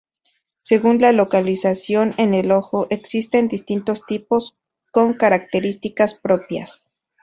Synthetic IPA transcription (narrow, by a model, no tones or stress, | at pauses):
se̞ɣunlalo̞kalisasjo̞ne̞ne̞lo̞xo̞ʔeksist̪e̞nd̪ist̪int̪o̞st̪ipo̞s | ko̞ŋkaɾak̚t̪e̞ɾist̪ikaspɾopja̰s